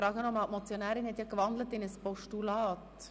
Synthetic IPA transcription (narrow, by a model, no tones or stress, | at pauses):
ɾɑːɡənɔmɑltmɔt͡sjonæːɾinhɛtjɑkʋɑnd̪lətɪnəspɔʃtulɑːt